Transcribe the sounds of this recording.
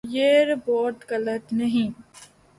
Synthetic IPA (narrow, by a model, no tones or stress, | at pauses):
jeːɾboːʈ̪ɡɐlət̪nɐɦĩ